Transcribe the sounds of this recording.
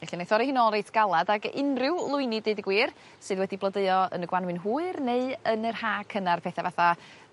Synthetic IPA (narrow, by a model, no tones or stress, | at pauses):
vɛɬinaθɔɾihɪnɔlˠrejtʰɡ̥alˠadaɡɪ̰nrɪwlˠʊɨnideɨdɡwiːr | sɨːðwɛdiblˠədəɨɔə̰nəɡwanwɨnɦuːɨrneɨənərhaːkʰənarpʰɛθavaθa